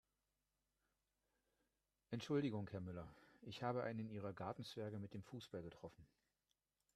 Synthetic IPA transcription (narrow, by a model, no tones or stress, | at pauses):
ʔɛntʃʊldɪɡʊŋhɛɐmʏlɐʔɪçhaːbəʔa̰ɪnəniːʁ̞ɐɡaɐtn̩t͡sv̥ɛɐɡəmɪt̚d̥eːmfuːsb̥alɡətʁ̥ɔfn̩